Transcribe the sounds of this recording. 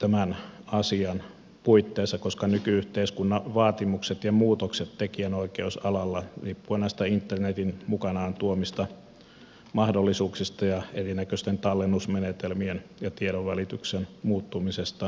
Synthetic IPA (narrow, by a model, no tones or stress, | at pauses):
t̪æmænɑsiɑn | puit̪ːeːsːɑkoskɑnykyyht̪eiskunːɑʋɑːt̪imukset̪jɑmuːt̪okset̪tekiænoikeusɑlɑlːɑriːpːuenɑˑst̪æint̪ːernet̪inmukɑnɑːnt̪uomist̪ɑ | mɑhdolːisuːksist̪ɑjɑerinækøst̪ent̪ɑlːenːusmenet̪elmienjɑt̪ieɾoʋʋælit̪yksenmuːt̪ːumisest̪ɑ